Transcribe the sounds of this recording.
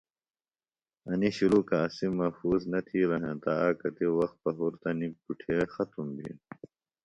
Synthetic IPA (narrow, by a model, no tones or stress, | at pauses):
ɐniɕuɾuːkɐːsimːɐfuːznɐt̪ʰiːɾɐɦẽt̪aaːkɐt̪iwɐxt̪̚pɐɦuɾt̪ɐnik̚puʈʰexɐt̪umbʱḭn